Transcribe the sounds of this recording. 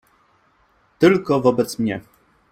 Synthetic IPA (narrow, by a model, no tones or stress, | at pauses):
t̪ɘlkɔvɔbɛt̪smɲɛ